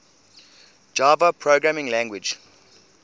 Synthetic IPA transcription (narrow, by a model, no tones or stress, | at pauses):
d͡ʒaːvəpʰɹoɡɹæmɪ̃ŋlæ̃ŋɡwɪd͡ʒ